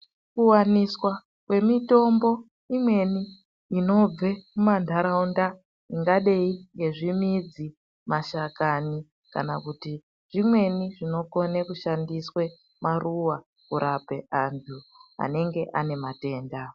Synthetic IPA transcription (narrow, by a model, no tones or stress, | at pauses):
kuwaniswa | kwe̞mito̞mbo̞ | imwe̞niː | no̞b͡vemumandʱaɾaunda | iŋɡaɗeiŋɡe̞ʐimid͡zi | maʃakani | ka̰nakuti | ʐ̥imwe̞niʐino̞ko̞nekuʃandiswe̞ | maruwa | kuɾʔape̞ʔantʰua̰ne̞ŋɡe̞ʔane̞mate̞ːnda